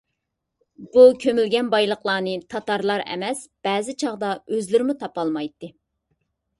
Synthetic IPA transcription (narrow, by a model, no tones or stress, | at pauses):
bukʲʰømylɡʲɛnbɑjlˠəqlˠɑːnɨt̪ʰɑt̪ɑɾlˠɑɾɛ̰mɛsb̥ɛːzɪt͡ʃʰɑʁd̪ɑøzlɪɾɪmut̪ʰɑpɑlˠmɑjt̪ːɨ